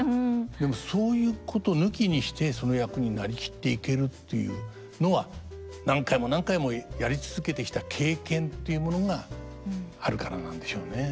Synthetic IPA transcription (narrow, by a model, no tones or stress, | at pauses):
d̪e̞mo̞so̞ːjɯ̟ːkʰo̞t̪o̞nɯ̟kʲiɲ̟iɕi̥t̪e̞sono̞jakɯ̟ɲ̟inaɾʲikʲi̥t̪ːe̞ike̞ɾɯ̟t̪ːe̞jɯ̰ː | no̞βa | nãŋkaimo̞nãŋkaimo̞jaɾʲit͡sɨzɨke̞t̪e̞kʲi̥t̪akʰe̞ːkẽ̞nt̪ːe̞jɯ̟mo̞no̞ɡa | aɾɯ̟kaɾanã̰nd̪e̞ɕo̞ːne̞